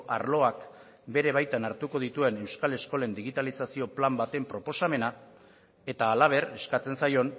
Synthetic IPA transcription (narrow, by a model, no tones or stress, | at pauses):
ʔa̰ɾlo̞ak | be̞ɾe̞β̞ajt̪anaɾt̪uko̞ð̞it̪ue̞ne̞wskale̞sko̞le̞nd̪iɣ̞it̪alisasio̞plambat̪e̞mpɾo̞po̞same̞na | e̞t̪aːlaβ̞e̞re̞skat͡se̞nsajo̞n